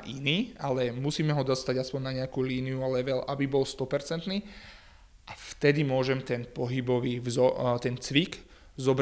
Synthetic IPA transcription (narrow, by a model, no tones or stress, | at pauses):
ʔiniːalɛmusiːmɛɦɔd̪ɔst̪aɟaspɔɲnaɲɛakuːliːnijualɛʋɛlʔabibɔlst̪ɔpɛɾt͡sɛnt̪niː | ʔaft̪ɛd̪imʊɔʒɛmt̪ɛnpɔɦibɔʋiːzɔt̪ɛnt͡sʋik | zɔbɾ